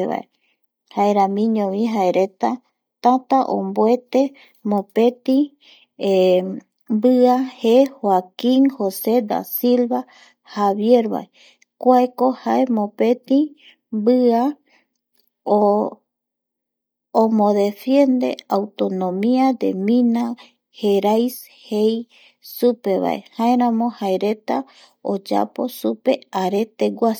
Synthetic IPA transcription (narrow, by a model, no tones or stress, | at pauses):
βa̰ḛ | haeɾãmĩɲõʋĩɦaeɾe̞t̪a | t̪at̪aʔõ̰mboe̞t̪e | mõpe̞t̪ĩ | mbɨahehwakĩŋhosed̪a̰silβa | haβje̞ɾβa̰e | kʷaekohaemõpe̞t̪ĩ | bɨa | omõðe̞fje̞nd̪e̞̰awt̪o̞nõmiad̪e̞̰mĩna | heɾajs | hej | supe̞βa̰ʔḛhaeɾãmõhaeɾe̞t̪a | o̰d͡ʒa̰po̞supe̞aɾe̞t̪eɡʷas